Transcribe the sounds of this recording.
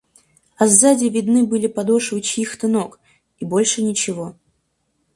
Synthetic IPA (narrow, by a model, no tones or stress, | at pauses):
ɐzːadʲɪvʲɪd̪nɨbɨlʲɪpɐd̪o̞ʂvɨt͡ɕixt̪ɨno̞k | ibo̞lʲʂɨnʲɪt͡ɕɪvo̞